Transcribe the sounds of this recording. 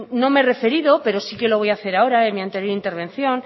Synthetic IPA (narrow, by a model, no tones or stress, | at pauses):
no̞mere̞fe̞ɾiðo̞pe̞ɾo̞sikelo̞β̞o̞jaθe̞ɾao̞ɾaenmiant̪e̞ɾjoint̪e̞ɾβ̞ẽ̞nθjo̞n